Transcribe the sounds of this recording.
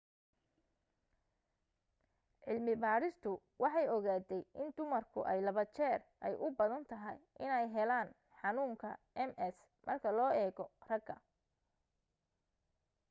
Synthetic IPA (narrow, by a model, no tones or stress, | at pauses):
ʕɪlmɪbaːɾɪst̪ʰʊ | wɑħɑjɔɣaːd̪ɛjʔɪnd̪ʊmɐrkʰʊ̰ʔɛjlɐβɐt͡ʃɛːrʔɛjʔʊbɐðɐnt̪ʰɐɦɐjʔɪnɛjɦɛlaːn | ħɑnuːŋkʰɐʔɛmʔɛs | mʔɐrkʰɐlɔːɛːɣɔrɐɡɐ